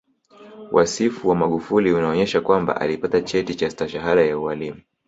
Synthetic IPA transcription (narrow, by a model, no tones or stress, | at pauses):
wʔa̰sifuwamaɠufuliunaɔɲɛʃakwamba̰ʔa̰lipatat͡ʃɛtit͡ʃastaʃaɦaɾajaualimu